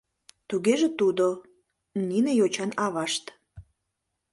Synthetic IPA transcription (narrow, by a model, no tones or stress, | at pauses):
t̪uɣeʒĕt̪ud̪o | ninĕjot͡ɕɑnɑβɑʃt̪